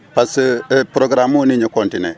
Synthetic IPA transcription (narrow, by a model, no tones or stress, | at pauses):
paspɾɔɡɾamoniɲekɔntɪnɛ̰